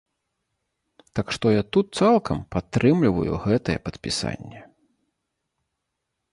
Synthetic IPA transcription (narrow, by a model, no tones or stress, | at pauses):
t̪akʂt̪ɔjat̪ut̪̚t̪salˠkʰɐmpat̪ːɾɨmlʲivɐ̰jṵɣɛt̪ɐjɛpɐt̪pʲisa̰nʲːɛ